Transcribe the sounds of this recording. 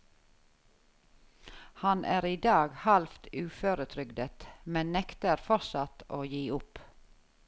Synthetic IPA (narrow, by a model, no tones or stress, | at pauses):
hɑnʔæːɾiːd̪ɑːɡhɑlft̪ʉːføːɾət̪ʰɾʏɡd̪ət̪mɛnnɛkt̪əɾfɔsɑt̪oːjiːʊp